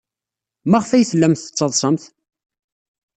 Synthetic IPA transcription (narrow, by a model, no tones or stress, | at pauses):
mæʁfæjθəlːæmθə̥t͡sˤːɑðˤsˤəmθ